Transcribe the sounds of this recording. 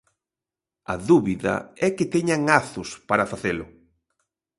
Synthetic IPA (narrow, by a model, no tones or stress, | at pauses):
ɐ̰ðuβiðɐ̰ɛket̪eɲaŋaθʊspaɾafaθelʊ